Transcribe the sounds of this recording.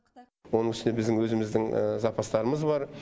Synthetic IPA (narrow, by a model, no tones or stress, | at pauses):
wo̞nəŋʏʃɪnebɪzd̪ɪŋwɵzɪmɪzd̪ɪŋə̰zɑpɑst̪ɑɾəməzbɑɾ